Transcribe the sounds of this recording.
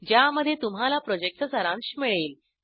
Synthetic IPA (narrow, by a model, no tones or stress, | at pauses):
d͡ʑjaməd̪ʱːjet̪um̤ɦalapɾɔd͡ʑek̚ʈ̪əsəɾãŋɕmiɭeːl